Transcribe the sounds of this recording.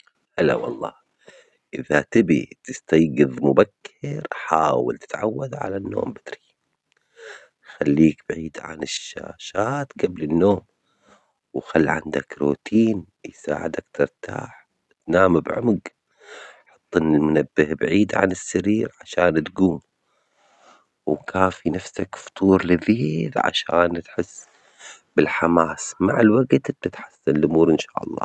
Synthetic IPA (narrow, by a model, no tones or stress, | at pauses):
hala̰wɑlˤːɑ̰ː | ʔɪðat̪ɪbḭt̪ɪst̪ajɡɨðmʊbakʰːɪɾħaːwa̰lt̪ɪ̥t̪ʕawːaðʕa̰lanːo̰ːmbɪd̪ɾi | xalːiːkb̥ʕiːd̪ʕa̰nɪʃːa̰ːʃaːt̪ɡablɪnːoːm | wxalːʕand̪akɾoːt̪ʰiːn | jsa̰ːʕɪd̪akt̪ɪɾt̪ʰa̰ːħ | t̪naːmabʕʊ̰mɡ | ħɑt̪ˤːɪnːɪlmʊnabːɪhbʕiːd̪ʕa̰nɪsːaɾiːɾʕaʃaːnt̪ɡuːm | wkʰaːfinafsakft̪ˤuːɾˤlɪðiːlʕa̰ʃaːnt̪ħɪsː | b̥ɪlħamaːsmaʕɪlwaɡt̪b̚t̪ɪt̪ħḁsːanlʔʊmuːɾʔɪnʃaːʔɑ̰lˤːɑ̰ː